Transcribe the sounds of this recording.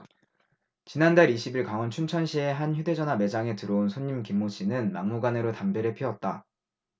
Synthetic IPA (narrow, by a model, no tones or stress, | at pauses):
t͡ɕinandaɾiɕʰibiɭkaŋʌnt͡ɕʰunt͡ɕʰʌnɕʰie̞ɦançjude̞d͡ʑʌnɦame̞d͡ʑaŋe̞tɯɾounsʰoɲːimkimːoɕʰinɯnmaŋmuɡane̞ɾotambe̞ɾɯɭpʰiʌt̚t͈a